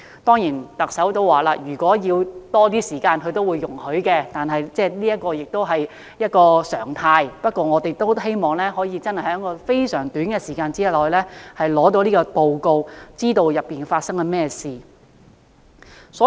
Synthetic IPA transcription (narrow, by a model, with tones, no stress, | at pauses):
t̪ɔː˥ŋjiː˨˩nt̪ɐ˨k̚sɐ˨˥wt̪o˧wwaː˨˩laː˧jyː˨˩kʷɔː˨˥jiː˧wt̪ɔː˥t̪iː˥siː˨˩kaː˧nkʰɵ˨˧ɥt̪o˥wuː˨˧jːʊ˨˩ŋhɵ˨˥ɥkɛ˧t̪aː˨nɦɐ˨jt͡sɛː˥˩liː˥jɐ˥t̚kɔː˧jɪ˨k̚t̪o˥wɦɐ˨j | jɐ˥t̚kɔː˧sœ̰ː˨˩ŋt̪ʰaː˧jpɐ˥t̚kʷɔː˧ŋɔː˨˧t̪e˨˩jt̪o˥wɦe˥jmɔː˨ŋlɛː˥ɦɔː˨˥jiː˧t͡sɐ˥nhɐ˨˩jhɛː˨˥ŋkɔː˧fe˥jsœː˨˩ŋt̪yː˨˥nɡɛ˧siː˨˩kaː˧nt͡siː˥lɔː˨jlɛː˥hɐ˨jlɔː˨˥t̪o˨˧wliː˥kɔː˧to˨wko˧wt͡siː˥t̪o˨˧wjɐ˨pːiː˨˩nfaː˧t̚sɐ˥ŋɐ˧mɛː˥siː˨ | sɔː˨˥